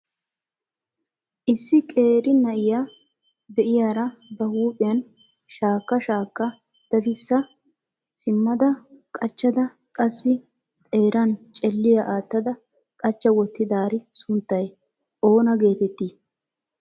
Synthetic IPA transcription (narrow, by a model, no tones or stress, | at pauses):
ʔɪsːɪkʼe̞ːɾɪnɐʔɪja | d̪ɛʔɪjaːɾɐbɐhuːpʼɪjɐn | ʃaːkːɐʃaːkːɐ | d̪̥ɐd̪ɪsːɐ | sɪmːɐd̪ɐkʼɐt͡ʃːɐd̪ɐ | kʼɐsːɪ | t̪ʼe̞ːɾɐnt͡ʃʼɛlːɪjɐʔaːt̪ːɐd̪ɐ | kʼɐt͡ʃːɐwɔt̪ːɪd̪aːɾɪsʊnt̪ːɐj | ʔo̞ːnɐɡe̞ːt̪ɛt̪ːiː